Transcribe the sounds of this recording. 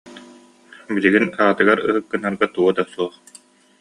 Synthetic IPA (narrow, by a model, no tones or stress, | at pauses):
biliɡinaːt̪ɯɡaɾɯɦɯkːɯnaɾɡat̪uɔd̪asuɔχ